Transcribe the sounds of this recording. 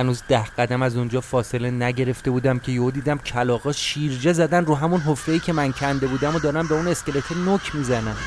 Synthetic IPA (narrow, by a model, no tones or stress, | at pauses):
hænuːzd̪æhɢ̥æd̪æmæzund͡ʒɒːfɒːse̞le̞næɟe̞ɾe̞ft̪e̞buːd̪æmcʰe̞jod̪iːd̪æmcʰælɒːɣɒːʃiːɾd͡ʒezæd̪ænd̪ɾuːɦæmunɦofːejiːcʰʲe̞mæncʰænd̪e̞buːd̪æmod̪ɒːɾæmbeune̞sce̞let̪ʰenocʰmiːzænæn̥